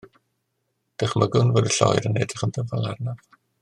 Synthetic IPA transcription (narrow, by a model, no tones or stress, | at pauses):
d̥ɪχmaɡʊnvoːdəɬɔ̰jɾənɛdəχəndəvvalˠarnav